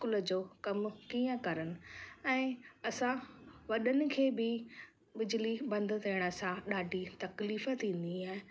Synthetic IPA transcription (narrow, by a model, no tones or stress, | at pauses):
kʊləd͡ʑoːkɐmkiːə̃kɐɾənɪ̆ɛ̃ːɐsãʋɐɗənɪ̆kʰeːbɪ | bɪd͡ʑɪlibɐ̃nd̪ʊ̆t̪ʰiːɪɽ̃əsãɗaːɖʱit̪ɐkliːfə̆t̪ʰĩːn̆d̪iaːɦɪ